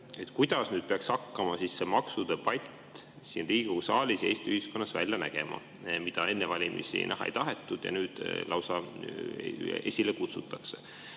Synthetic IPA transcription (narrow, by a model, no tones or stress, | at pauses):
e̞t̪kujd̪̥ɑsnyːd̪̥̚peɑkshɑkːɑmɑsisːemɑksud̪̥epɑjt̪ː | siːnriːɡ̥usɑːlʲisjeːst̪yhisko̞nːɑsvæ̰lʲjɑnæɡ̥e̞mɑ̰ | mid̪̥ɑe̞nːevɑlʲimḭsḭnæ̰ɦɑḛjt̪ɑɦe̞t̪ˑːud̪̥jɑ̰nyːd̪̥lɑwsɑ | ʔe̞̰sʲilekut̪sut̪ːˑɑkse̥